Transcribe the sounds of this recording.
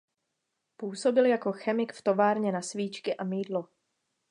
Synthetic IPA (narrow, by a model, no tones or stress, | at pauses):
puːso̞bɪljako̞xɛmɪkft̪o̞vaːɾɲɛnasviːt͡ʃkɪʔamiːdlo